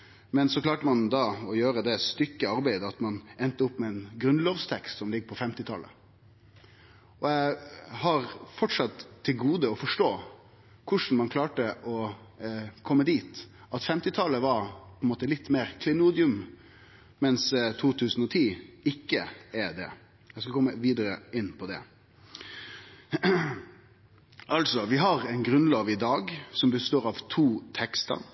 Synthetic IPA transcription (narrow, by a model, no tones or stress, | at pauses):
mɛnsɔklɑːʈəmɑnd̪ɑɔjøːɾəd̪ɛst̪ʏkːəɑɾbæɪd̪əɑt̪mɑnɛnt̪əʊpːmɛɛnɡɾʉnloːʋst̪ʰɛkst̪sɔmlɪɡːəpʰɔfɛmt̪ɪt̪ʰɑ̰lːə̰ | ʔɔæhɑɾfɔʈʂɑt̪ʰːɪlɡuːd̪əɔfɔʂʈoː | kʰʊʂn̩mɑnkʰlɑːʈəʔɔ | kʰɔmːəd̪iːt̪ | ɑt̪fɛmt̪ɪt̪ʰɑlːəʋɑɾpʰɔɛnmoːt̪əlɪt̪ːmeːɾkʰlɪnuːd̪ɪʉm | mɛnst̪ʰuːt̪ʰʉːsən̩ɔt̪ʰiːɪkːəɛd̪ɛ̰ | jɛskɑlkʰɔmːəʋiːd̪əɾə̰ɪnːpʰɔd̪ɛ̰ | ʔɑlsɔʋɪɦɑɾæɪnɡɾʉnlɑːʋɪd̪ɑːɡsɔmbəst̪oːɾɑʋt̪ʰuːt̪ʰɛkst̪ə̰ɾ